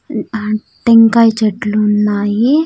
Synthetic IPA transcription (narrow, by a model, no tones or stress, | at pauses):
ʈeŋkɐjt͡ʃeʈluːnːaːji